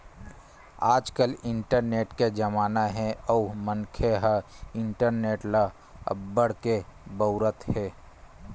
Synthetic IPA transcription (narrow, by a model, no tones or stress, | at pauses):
aːd͡ʒkəlɪɳʈəɾneːʈked͡ʒəmaːnaɦɛ̃ɔːmənkʰeɦəɪɳʈəɾneːʈlə | ə̰bbːəɽ̤kebəʊɾət̪hɛː